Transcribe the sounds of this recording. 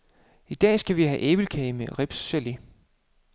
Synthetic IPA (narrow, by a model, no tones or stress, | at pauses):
id̥ɛ̰ːsɡ̥æʋihæʔeːb̥l̩kʰɛɪmeʁeb̥sːeli